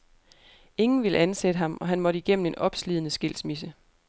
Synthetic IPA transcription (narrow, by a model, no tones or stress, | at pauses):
e̝ŋn̩ʋiləænsed̥əɦɑ̈mʔɒ̽ɦænmɒ̽ɾəiɡ̥em̰n̩e̝nɒ̽b̥sliðˠnəsɡ̥e̝l̰smisə